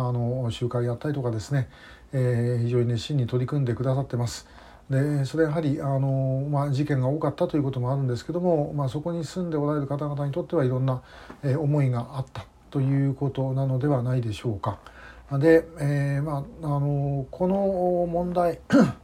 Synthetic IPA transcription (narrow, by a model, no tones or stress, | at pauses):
ano̞ɕɨːkaijat̪ːaɾʲit̪̬o̞kad̪e̞sɨne̞ | çiʑo̞ːɲ̟ineɕĩɲ̟ːit̪o̞ɾʲikɯ̟̃nd̪e̞kɯ̟d̪asat̪ːe̞masɨ̥ | d̪e̞so̞ɾe̞jaɦaɾʲiano̞maʑikẽ̞ŋɡao̞ːkat̪ːat̪o̞jiɯ̟ko̞t̪o̞moaɾɯ̟̃nd̪e̞sɨ̥ke̞d̪o̞mo̞maso̞ko̞ɲ̟isɨ̃nd̪e̞o̞ɾaɾe̞ɾɯ̟kat̪aɡat̪aɲ̟it̪o̞t̪ːe̞βaiɾõ̞nːa | eo̞mo̞iɡaʔːt̪ːḁ | t̪o̞jɯ̟ːko̞t̪o̞nano̞d̪e̞βanaid̪e̞ɕo̞ːkad̪e̞emaano̞kʰo̞no̞mõ̞nd̪ai